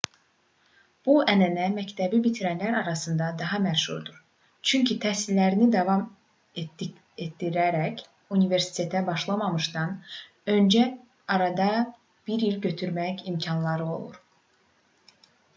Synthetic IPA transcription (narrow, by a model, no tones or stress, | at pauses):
b̥uænænæmæct̪ʰæbibit̪ʰiɾænlæɾɑɾɑsɯnd̪ɑd̪ɑɦɑmæʃṵɾd̪uɾ | t͡ʃʰyɲcʰit̪ʰæsilːæɾinid̪ɑvɑm | e | et̪ːiɾæɾæc | unive̞ɾsi̥t̪ʰe̞t̪ʰæbɑʃlˠɑmɑmɯʃd̪ɑn | ø̞nd͡ʒæ | ɑɾɑd̪ɑ | b̥iɾilɟø̞t̪ʰyɾmæcimcʰɑnlˠɑɾɯo̞̰lˠṵɾ